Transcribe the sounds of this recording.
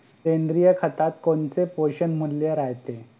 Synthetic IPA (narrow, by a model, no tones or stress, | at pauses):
kend̪ɾijəkʰət̪at̪koɳt͡sepoɕənmulːjeɾaɦt̪e